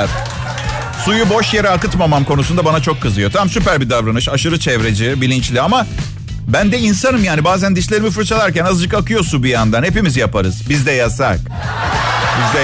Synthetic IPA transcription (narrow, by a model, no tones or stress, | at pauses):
ɾ | sujubo̞ʃjeɾɛakɯt̪mamamkʰo̞nusund̪abanat͡ʃʰo̞kʰːɯzɯjo̞t̪ʰammsypæɾbid̪avɾanɯʃaʃɯɾɯt͡ʃʰɛvɾe̞d͡ʒibilʲint͡ʃlʲiama | bænd̪ɛinsanɯmjaːnibaːzænd̪iʃlʲe̞ɾimifɯɾt͡ʃʰalˠaɾcænazɯd͡ʒɯkakɯjo̞sunbijand̪anhepimizjapaɾɯz̥bizd̪ɛjasa̰k | bizd̪ɛ